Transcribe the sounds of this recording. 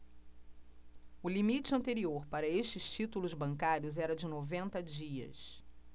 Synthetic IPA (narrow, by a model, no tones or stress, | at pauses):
ʊlimit͡ʃɪɐ̃nt̪eɾioɾpaɾɐeʃt͡ʃɪʃt͡ʃit̪ulʊzbɐ̃ŋkaɾjʊzɛɾɐd͡ʒɪnovẽnt̪ɐd͡ʒiɐ̰s